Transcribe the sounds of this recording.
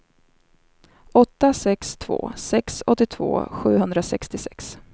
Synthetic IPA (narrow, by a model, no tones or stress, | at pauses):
ɔt̪ːasɛkst̪ʰvo̰ːsɛksɔ̰t̪ːɪt̪ʰv̥o̰ːɧʉ̟ːɦɵnd̪ɾasɛkst̪ɪsɛks